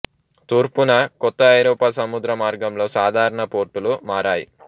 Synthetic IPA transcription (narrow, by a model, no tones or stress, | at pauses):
t̪uːɾpunɐkɔt̪ːɐːjɾɔːpaːsɐmud̪ɾɐmaːɾɡɐmlo̞ːsaːd̪ʱaːɾɐɳɐpoːɾʈːulumaːɾaːjḭ